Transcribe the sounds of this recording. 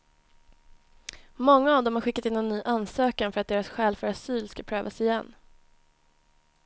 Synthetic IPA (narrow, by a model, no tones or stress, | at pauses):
mɔŋːaːvd̪ɔmhaɾɧɪkːat̪ɪnːɛnːyːʔansøːkanfœɾat̪̚d̪eːɾasɧɛːlfœɾasyːlskapʰɾøːva̰sɪjɛnː